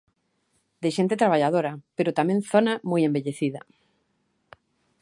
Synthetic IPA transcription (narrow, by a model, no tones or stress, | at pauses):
d̪ɪʃent̪ɪt̪ɾaβ̞aʎaðoɾɐpeɾʊt̪amẽŋθonamojembeʎeθiðɐ̰